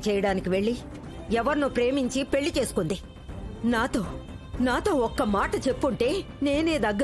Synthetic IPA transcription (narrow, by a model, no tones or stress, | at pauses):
t͡ʃɛːjɐɽaːnikiʋe̞ɭːi | ɛʋɐɾnupɾe̞ːmiɲt͡ʃipe̞ɭːit͡ʃe̞ːsu̥kund̪i | naːt̪o̞ː | naːt̪o̞ːɔkːɐmaːʈɐt͡ʃepːuɳʈe̞ː | ne̞ːne̞ːd̪ɐɡːɐ